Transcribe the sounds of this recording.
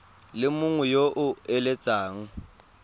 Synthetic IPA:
lɪmʊŋwɛjoʔʊɛlɛt͡sʼaːŋ̩

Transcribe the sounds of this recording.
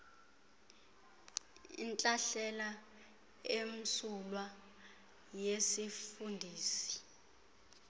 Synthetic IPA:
ḭnt͡ɬʼaɬɛla | em̩sulwa | jesifundʱiːsi̥

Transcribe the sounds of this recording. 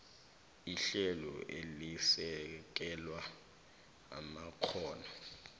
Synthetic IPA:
iɬɛlɔ̰ʔelisɛk̬ɛlwa | a̰makʰɔːna

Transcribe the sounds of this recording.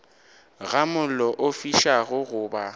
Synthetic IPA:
ɣamʊlɔʔofiʃaɣʊɣʊːba

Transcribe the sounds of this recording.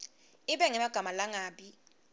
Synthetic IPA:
ɪɓɛŋɛmaɡ̥ʱamalaŋaːɓi

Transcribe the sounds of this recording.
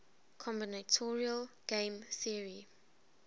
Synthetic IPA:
kʰɔ̃mbinatʰɔɹiəlɡ̥ẽmθiɹi

